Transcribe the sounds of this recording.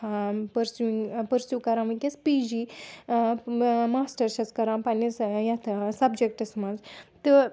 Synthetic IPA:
pəɾsjuiŋpəɾsjukɐɾãmɐkʲespid͡ʑi | maːsʈəɾʃɐt͡skɐɾãpanisjat̪ʰsɐbd͡ʒek̚ʈɐsmad͡zt̪ɨ

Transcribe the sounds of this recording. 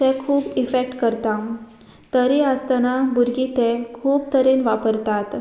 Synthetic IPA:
t̪ɛ̃kʰuːbifek̚ʈkəɾt̪a | t̪əɾeəst̪anabuɾɡit̪ɛ̃kʰuːb̚t̪əɾẽnʋapəɾt̪at̪

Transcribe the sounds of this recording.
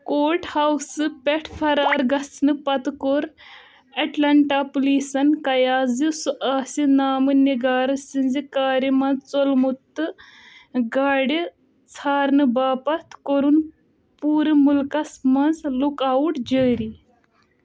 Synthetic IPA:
koːʈhɐwsɨpeʈʰpʰɐɾaːɾɡɐsnɨpɐt̪koɾ | ɐʈlɐɳʈaːpuliːsɐnkɐjaːzisuʔaːsinaːmɨniɡaːɾɨsinzikaːɾimɐnzt͡solmut̪ːɨ | ɡaːɽi | t͡sʰaːɾnɨbaːpɐt̪koɾun | puːɾɨmulkɐsmɐnzlukaːuʈd͡ʒəːɾi

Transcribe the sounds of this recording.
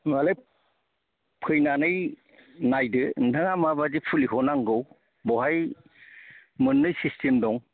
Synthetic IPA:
male | pʰɯjnanɯj | najdɯnɯŋamabadipʰuliɦɔnaŋɡɯw | bɔɦaj | mɯnːɯjsistʰemdɔŋ

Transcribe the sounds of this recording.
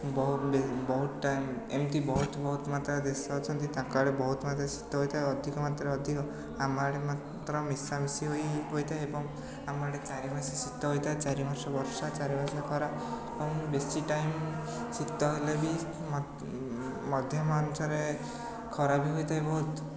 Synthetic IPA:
bɔɦubebɔɦut̪ʈamemt̪ibɔɦut̪bɔɦut̪mat̪ɾad̪esɔːt͡ʃʰɔnt̪it̪ãkaɽebɔɦut̪mat̪ɾasi̥t̪ːɔɦojt̪ʰaeɔd̪ʱikɔmat̪ɾeɔd̪ʱikɔ | amaɽemat̪ɾɔmisamisiɦojɦojt̪ʰaeebɔŋ | amaɽet͡ʃaɾimasasit̪ːɔɦojt̪ʰajt͡ʃaɾimɔɾsɔbɔɾsat͡ʃaɾibɔɾsɔkʰɔɾaebɔŋbesiʈajm | sit̪ːɔɦelebʱi | m | mɔd̪ʱjɔmant͡ʃʰɔɾe | kʰɔɾabʱiɦojt̪ʰajbɔɦut̪

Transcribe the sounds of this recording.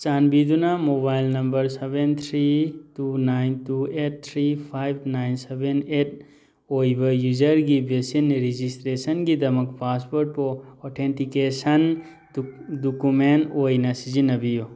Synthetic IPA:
t͡ʃanbid̪unamobajlnɐmbɐɾsebent̪ʰɾitunajntuet̚t̪ʰɾipʰajbʱnajnsebenet | ojbɐjuzɐɾɡibesinɾid͡ʒisʈɾesɐnɡid̪ɐmɐkpaspoɾʈ̚pɔɔʈʰenʈikesɐn | dukumenʈojnasizinɐbijo

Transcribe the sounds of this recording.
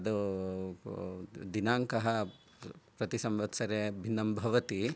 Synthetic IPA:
d̪u | d̪inaːŋkɐɦɐ | pɾɐt̪isɐmʋɐt̪sɐɾebʱinːɐmbʱɐʋɐt̪i

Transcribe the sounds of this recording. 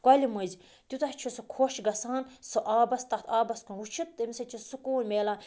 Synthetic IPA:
kɐlʲimɨzʲ | t̪ʲut̪ɐht͡ʃʰisɨkʰoːʃɡɐsaːnsɨʔaːbɐst̪ɐt̪ʰaːbɐskunut͡ʃʰit̪ːɨmʲisɐt͡ʃʰisukuːnʲmeːlaːn

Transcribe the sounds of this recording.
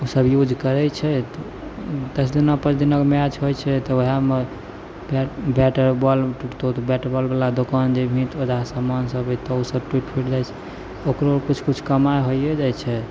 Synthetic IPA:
usəbjud͡ʒʱkəɾɛt͡ʃʰɛt̪ | d̪əsʰd̪inapət͡ʃʰd̪inɔkmead͡ʒʰɦojt͡ʃʰɛt̪ɔoɦame | bɛbɛʈəɾbɔlt̪ot̪bɛʈəɾbɔlbalad̪okand͡ʒebʱĩt̪od͡ʒ̪asəmansəbit̪ɔusəb̚ʈwiʈpʰiʈd͡ʒajt͡ʃʰɛ | okɾokut͡ʃʰkut͡ʃʰkəmajɦojjɛd͡ʒajt͡ʃʰɛ

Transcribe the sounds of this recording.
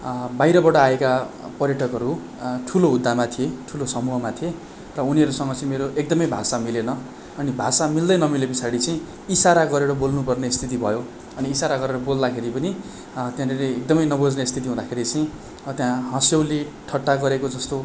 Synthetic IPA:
bajɾʌbʌʈʌaeka | pʌrjʌʈʰʌkɦʌɾu | ʈʰuloɦud̪ʱːamat̪ʰieʈʰulosʌmuɦʌmat̪ʰe | rʌuniɦʌɾusʌŋɡʌt͡sʌĩmeɾoʔek̚d̪ʌmʌjbʱasamilenʌ | ʌnibʱasamild̪ʌjnʌmilebisaɽit͡sʌĩ | isaɾaɡʌɾeɾʌbolnupʌrnest̪ʰit̪̬ibʱʌjo | ʌniːsaɾaɡʌɾeɾʌbold̪akʰeɾipʌni | t̪jãɾeleek̚d̪ʌmʌjnʌbʱod͡znest̪ʰit̪̬iɦũd̪akʰeɾit͡sʌĩ | t̪jãɦʌ̃sjʌwliʈʰʌʈːaɡʌɾekod͡zʌst̪o

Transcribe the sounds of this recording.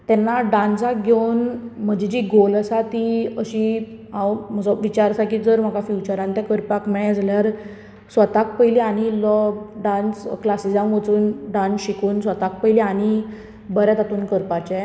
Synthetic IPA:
t̪ɛnːaɖãnsak̚ɡʱewnm̤əd͡ʑid͡ʑiːɡoləsat̪iəɕi | ãwm̤əd͡zɔʋit͡ɕaɾsakiːd͡zəɾm̤akafjut͡ɕəɾãnt̪jãkəɾpakmɛɭɛ̃d͡zaljaɾ | sʋət̪ak̚pəjliaɽ̃iləɖãnsklasid͡zãmʋət͡suːnɖãnsɕikuːnsʋət̪ak̚pəjliaɽ̃i | bəɾɛt̪at̪uːnkəɾpat͡ɕɛ

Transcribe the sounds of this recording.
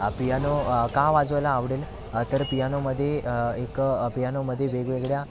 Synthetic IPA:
pijanokaʋad͡zʋəlaːʋɽel | t̪əɾpijanoməd̪ʱːjeekpijanoməd̪ʱːjeʋeɡʋeɡɭja

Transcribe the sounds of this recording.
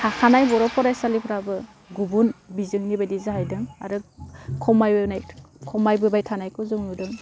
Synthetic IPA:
ahanajbɔɾɔpʰɔɾajsalipʰɾabɯ | ɡubunbizɯŋnibajdizaɦajdɯŋa̰ɾɯkʰɔmajbɯnajkʰɔmajbɯbajtʰanajkʰɯzɯŋnudɯŋ

